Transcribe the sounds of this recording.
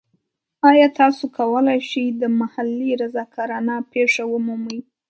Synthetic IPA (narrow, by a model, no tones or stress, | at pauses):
ɑjɑt̪ɑsokʰawəlajʃijd̪əmahalːiɾazɑkɑɾanɑpeʂawəmuməj